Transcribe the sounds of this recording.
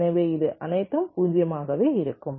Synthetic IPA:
ɐʋeːɪðɯʔɐnɐɪt̪ːɐmpuːɲd͡ʒɪjɐmaːɣɐʋeːɪɾɯkːɯm

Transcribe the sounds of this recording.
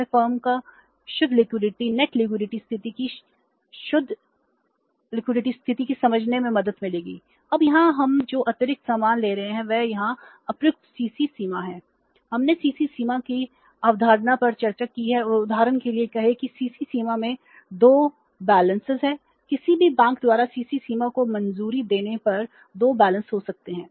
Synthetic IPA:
fəːɾmka | ʃʊd̪ʱːlɪkwɪɖɪʈinɛʈlɪkwɪɖɪʈist̪ʰɪt̪iki | ʃʊd̪ʱ | lɪkwɪɖɪʈist̪ʰɪt̪ikisɐməd͡ʒʱnemẽmɐd̪əd̪mɪleːɡḭː | ɐbjɐɦãɦɐmd͡ʒoːʔɐt̪jəɾɪk̪̚saːmaːnleːɾɐɦẽɦɛ̃ʋɛjɐɦã | ɐpɾʊk̚ʈsiːsisiːmaɦɛ̃ː | hɐmnesiːsisiːmaki | aːʋd̪ʱaːɾnapɐɾt͡ʃɐɾt͡ʃakiɦɛʊʊd̪ʱaːɾənkeliekɐɦekisiːsisiːmamẽ | d̪oː | bɛːlə̃nsɪzɦɛ̃ː | kɪsibʱibɛ̃ːŋk̚d̪waːɾasiːsisiːmakomɐ̃nzuːɾid̪eːnepɐɾ | d̪oːbɛːlə̃nsɦosɐk̚t̪eɦɛ̃ː

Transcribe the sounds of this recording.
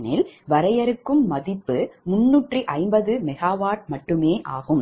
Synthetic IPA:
nɪlʋɐɾɐjɐɾɯkːɯmːɐðɪpːɯmʊnːuːʈriʔɐɪmbɐðɯmɛɣaːʋaːɾmɐʈːɯmeːʔaːɣɯm

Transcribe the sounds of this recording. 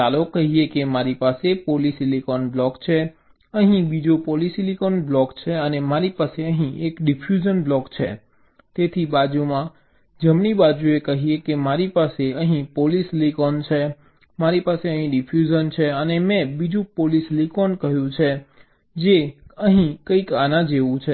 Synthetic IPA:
alokːəɦiekemaɾipasepolislikɔnblɔkt͡ʃʰe | əɦĩbid͡ʒopolisilikɔnblɔkt͡ʃʰeənemaɾipaseəɦĩʔekɖipʰjud͡ʒənblɔkt͡ʃʰḛ | t̪et̪ʰibad͡ʒumã | d͡ʒəmɳibad͡ʒuekəɦiekemaɾipaseəɦĩpolislikɔnt͡ʃʰe | maɾipaseəɦĩɖipʰjud͡ʒənt͡ʃʰeənemɛ̃bid͡ʒũpolislikɔnkəɦjũt͡ʃʰe | d͡ʒeəɦĩkəikanãd͡ʒeʋũt͡ʃʰe

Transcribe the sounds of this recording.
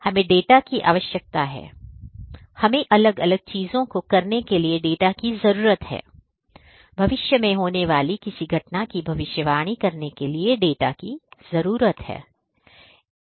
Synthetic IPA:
hɐmẽɖeːʈakiʔa̰ːʋəʃjək̚t̪aɦɛ̰ː | hɐmẽʔɐləɡɐləɡ̚t͡ʃiːzõkokɐɾnekelieɖeːʈakizɐɾuːɾət̪ɦɛ̰ː | bʱɐʋɪʃjəmẽɦoːneʋaːlikɪsiɡʱɐʈnakibʱɐʋɪʃjəʋaːɽ̃ikɐɾnekelieɖeːʈakizɐɾuːɾət̪hɛ̰ː

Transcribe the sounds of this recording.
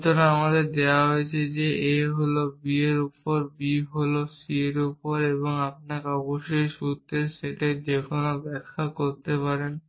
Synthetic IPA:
t̪onaamad̪eɾd̪eoaɦoet͡ɕʰed͡ʑeeɦolobieɾupoɾbiɦolosieɾupoɾeβoŋap̚nakɔboʃojʃut̪ːeɾʃeʈed͡ʑekʰonobɛkʰːakoɾt̪epaɾen

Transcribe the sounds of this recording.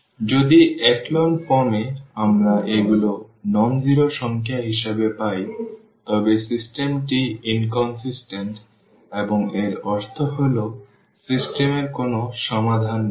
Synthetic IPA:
d͡ʑod̪iɛklonpɔmeamɾaʔeɡulonɔmd͡ʑiɾoʃɔŋkʰjaɦiʃebepaj | t̪ɔbesisʈemʈiinkɔnsisʈenʈ | eboŋeɾɔɾt̪ʰoɦolo | sisʈemeɾkonoʃɔmad̪ʱan

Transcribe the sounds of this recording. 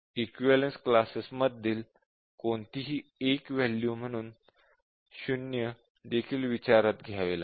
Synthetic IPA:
ikʋiʋɛlensklasisməd̪ʱːiːl | koɳt̪iɦiːekʋɛljum̤əɽ̃uːn | ɕunjə | d̪ekʰiːlʋit͡ɕaɾat̪ɡʱjaʋela

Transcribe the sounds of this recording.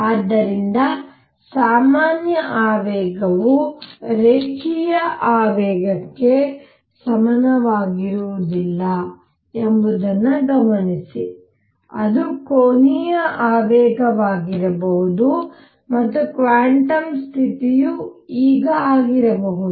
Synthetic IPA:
aːd̪ːɐɾind̪ɐ | saːmaːnjɐʔaːʋɛːɡɐʋuɾeːɡijɐʔaːʋɛːɡɐkːe̞ | sɐmɐnɐʋaːɡiɾuʋud̪ilːɐ | embud̪ɐnːuɡɐmɐnisi | ɐd̪ukoːnijɐʔaːʋɛːɡɐʋaːɡiɾɐbɐɦud̪u | mɐt̪ːukʋaːɳʈɐmst̪ʰit̪ijuiːɡɐaːɡiɾɐbɐɦud̪u

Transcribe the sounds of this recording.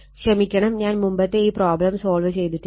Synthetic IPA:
ɕrɐmikʲːɐɳɐmɲaːnmumbɐt̪ːe̞iːproːblɐmso̞ːlʋɨt͡ɕe̞jt̪iʈːɨ

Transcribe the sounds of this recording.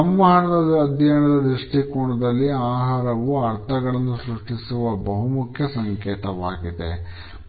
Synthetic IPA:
ɐmːɐɦɐɳɐd̪ɐd̪ɐd̪jɐɐɳɐd̪ɐd̪ɾuʂʈikuːɳɐd̪ɐlːiaːɦaːɾɐʋuɐɾt̪ʰɐɡɐɭɐnːusɾuʂʈisuʋɐbɐɦumukʰjɐsɐŋkeːt̪ɐʋaːɡid̪ḛ

